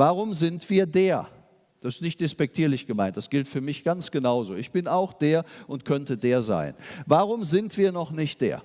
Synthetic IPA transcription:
vaːʁʊmzɪntv̥iːɐdeːɐ | d̥asɪ̥stnɪçt̚d̥espɛk̚tʰiːɐlɪçɡ̥əmaɪnt̚d̥asɡ̥ɪltfyːɐmɪçɡ̥ansɡ̥ənaʊzoːɪçb̥ɪnaʊxd̥eːɐʔʊntkʰœntədeːɐza̰ɪnvaːʁʊmzɪntv̥iːɐnɔχnɪçt̚d̥ḛːɐ

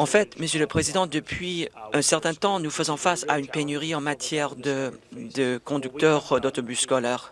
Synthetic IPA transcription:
ɑ̃fɛt̪məsjøləpχezid̪ɑ̃d̪əpʰɥiɛ̃sɛʁt̪ɛ̃t̪ɑ̃nufəzɔ̃fasaynpenyʁiɑ̃mat̪jɛʁd̪əd̪əkɔ̃d̪yk̚t̪œʁd̪ot̪ɔbysːkɔlɛʁ

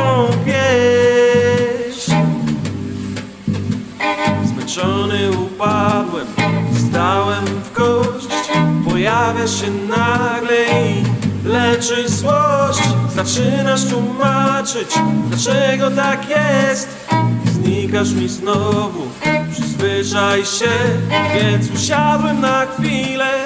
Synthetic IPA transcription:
ɔ̃pʲjɛ | ɕ | zmɛnt͡ʂɔnɘupad̪wɛmfst̪awɛmvɡɔɕt͡ɕpɔjavʲjaʂɕɛnaɡlɛilɛt͡ʂɘzwɔɕt͡ɕzat͡ʂɘnaʂt̪wumat͡ʂɘt͡ɕd̪lat͡ʂɛɡɔt̪akjɛst̪ | zɲikaʂmʲiznɔvu | pʂɘzvɘʂajɕɛvʲjɛnt̪suɕad̪wɛmnaxfʲilɛ

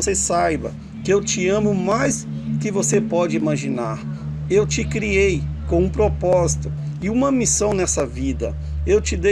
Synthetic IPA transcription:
sesajbɐ̰ | kɪewt͡ʃɪɐ̃mʊmajs | kɪvosepɔd͡ʒɪimaʒinaɾ | ewt͡ʃɪkɾiejkõũpɾopɔzit̪ʊ | ɪũmɐmisɐ̃w̃nɛsɐvid̪ɐ̰ | ewt͡ʃɪd̪e

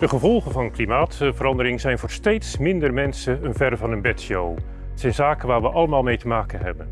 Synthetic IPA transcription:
d̥əχəvɔlˠχənvɑnklimaːtvəɾɑndəɾɪŋzɛjnvʊːɹstejtsmɪndərmɛnsənənvɛrvɑnənbɛtsjow | ɛtsɛjnzaːkənʋaːɹʋəʔɑləmaːlˠmejtəmaːkənɦɛbən

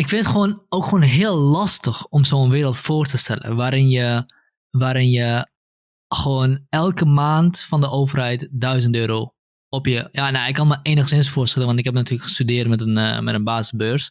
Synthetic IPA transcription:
ɪkfɪnətχʋoːnowkχoːnɦɪːəlˠlɑstəxɔmsoːənʋɪːɾəlˠtfoːrtəstɛlə̰ʋaːɾɪnjə | ʋaːɾɪnjə | χʋoːnɛlˠkəmaːntfɑndəʔoːvərɦɛjtdœɥzəntøːɾo | ɔpjəjanaɪkːɔnməeːnəχəsɪnsfoːstɛlənʋɑntɪkɦɛpnatyːləkχə̥stydɪːrtmɛtənmɛtənbaːsəsbøːrs

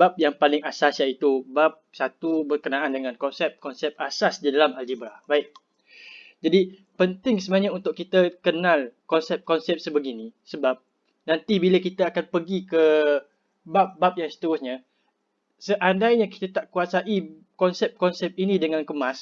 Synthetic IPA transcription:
bap̚jaŋpalɪŋasasjait̪ubap̚sat̪ubərkənaʔandəŋankɔnsɛp̚kɔnsɛp̚asasdidalamald͡ʒibɾahbaɪt̚ | d͡ʒadi | pənt̪ɪŋsəmaɲaunt̪ʊʔkit̪əkənãlkɔnsɛp̚kɔnsɛp̚səbəɡinisəbap̚ | nãnt̪ibiləkit̪aakanpəɡikə | bap̚bap̚jaŋsə̥t̪əɾʊsɲa | səʔandajɲaki̥t̪at̪aʔkuasaʔi | kɔnsɛp̚kɔnsɛp̚inĩdəŋankəmãs

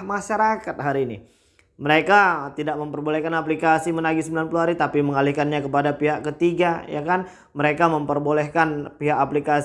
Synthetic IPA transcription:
maʃaɾakat̪̚ɦaɾiːnḭ | məɾekat̪idaʔməmpərbolɛhkanap̬likasimənaɡisəmbilanpuluɦaɾit̪apiməŋalihkanɲakəpadapiɦaʔkət̪iɡaja̰kan | məɾekaməmpərbolɛhkanpiɦakaplika

